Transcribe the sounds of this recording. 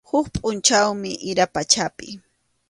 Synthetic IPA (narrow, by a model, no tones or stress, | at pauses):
hʊkpʼʊnt͡ʃawmɪʔɪɾapat͡ʃapɪ